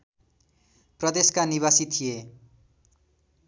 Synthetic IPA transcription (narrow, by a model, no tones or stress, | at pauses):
prʌd̪eskaniβasit̪ʰije